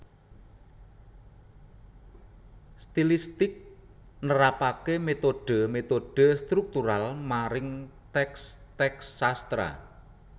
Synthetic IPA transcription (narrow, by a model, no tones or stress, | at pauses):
st̪ilist̪ɪk̚ | nəɾapakemet̪oɖ̥ə̤met̪oɖ̥ə̤st̪ɾuk̚t̪uɾalmaɾɪŋt̪ɛkst̪ɛksːast̪ɾa̰